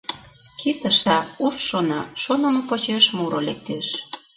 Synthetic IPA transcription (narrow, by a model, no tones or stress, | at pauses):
kit̪ə̆ʃt̪ɑuʃːonɑʃonə̆mopot͡ɕeʃmuɾolek̚t̪eʃ